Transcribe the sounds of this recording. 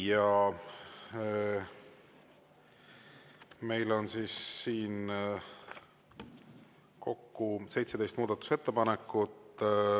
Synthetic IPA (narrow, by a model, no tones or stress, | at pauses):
jɑ | me̞jlo̞nsiːsːiːn | ko̞kːuse̞jt̪se̞d̪e̞jst̪muːd̪ɑt̪ːˑu̥se̞t̪ːepɑnekːˑut̪